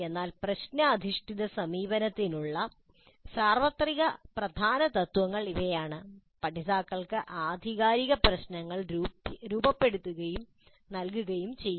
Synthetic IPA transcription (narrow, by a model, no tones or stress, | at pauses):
e̞nːaːlprɐɕnɐːd̪ʱiʂʈiðɐsɐmiːbɐnɐt̪ːinuɭːɐ | saːrʋɐt̪riɣɐprɐd̪ʱaːnɐt̪ɐt̪ʋɐŋːɐɭiʋɐjaːɳɨ | pɐʈisaːkːɐɭkɨʔaːd̪ʱiɣaːɾiɣɐprɐɕnɐŋːɐɭɾuːbɐpːe̞ɽut̪ːuɣɐjum | nɐlk̬uɣɐjumt͡ɕejː